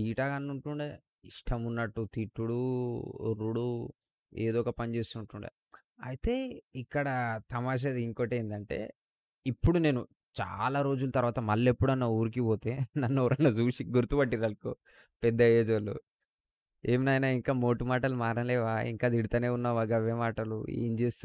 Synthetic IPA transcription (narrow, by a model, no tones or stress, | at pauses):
iːʈaːɡɐnːuɳʈuɳɖe | iʂʈʰɐmunːɐʈːut̪iʈːuɽuo̰ɾːuɽu | eːd̪ɔːkɐpɐnt͡ʃe̞ːst̪uːɳʈuɳɖḛ | ɐ̰jit̪e̞ːikːɐɽɐt̪ɐmaːʃ̬ɐd̪iiŋkoːʈeːjind̪ɐɳʈe̞̰ː | ipːuɽune̞ːnu | t͡ʃa̰ːlaːɾo̞ːd͡ʒulɐt̪ɐɾʋaːt̪ɐmɐlːepːuɽɐnːɐuːɾik̬ipoːt̪e̞ːnɐnːɾɐnːɐt͡ʃuːsiɡuɾt̪ubɐʈːid̪ɐlkoː | pɛd̪ːɐeːd͡ʒʋɐlṵ | eːminɐjnaːiŋkaːmo̞ːʈumaːʈɐlumaːɾɐnlɛːʋaːḭŋkaːd̪iɽit̪aːne̞ːunːaːʋaɡɐʋjemaːʈɐlṵḛːnt͡ʃe̞ːst̪u